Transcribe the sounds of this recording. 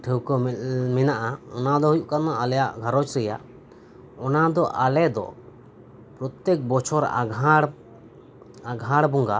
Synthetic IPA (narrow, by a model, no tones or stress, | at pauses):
ʈʰəwkɔmɛnaʔaɔnad̪ɔɦujuʔkanaʔalɛjaʔɡʱaɾɔt͡ʃɾɛja̰ʔ | ɔnad̪ɔʔalɛd̪ɔ̰ | pɾɔt̪jɛk̚bɔt͡ʃʰɔɾ | aɡʱaɽbɔŋɡa